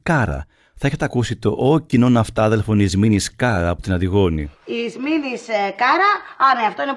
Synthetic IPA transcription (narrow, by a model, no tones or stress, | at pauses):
kɐɾɐ̰ | θɐeçet̪eɐkusit̪o̞ʔocino̞nɐft̪ɐðe̞lfo̞nizminiskɐɾɐːpot̪inɐðiɣo̞niizminiskɐɾɐɐneɐft̪o̞ine